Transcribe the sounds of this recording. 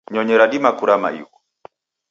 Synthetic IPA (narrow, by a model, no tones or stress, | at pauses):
ɲɔɲɛɾadimakuɾama̰jḭkɔ